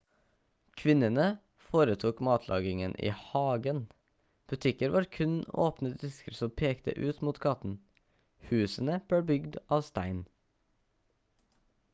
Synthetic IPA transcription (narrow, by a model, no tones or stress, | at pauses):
kʰʋɪnənə | foːɾət̪ʰuːkmɑːt̪ʰlʔɑ̰ːɡɪŋənʔḭːhɑːɡən | b̥ʉt̪ʰɪkəɾʋɑːɾkʰʉno̰ːpnəd̪ɪskəɾsɔmpʰeːkt̪ə̰ʔʉːt̪muːt̪kʰɑt̪n̩ | hʉːsənəb̥ɽeːbʏɡd̪ɑːʋst̪æɪn